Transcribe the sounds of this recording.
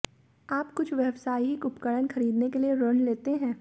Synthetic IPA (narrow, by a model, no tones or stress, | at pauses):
aːpkʊt͡ʃʰʋjɛʋsaːiɦikʊpkəɽənxɐɾiːd̪nekelieɾoɳleːt̪eɦɛ̃ː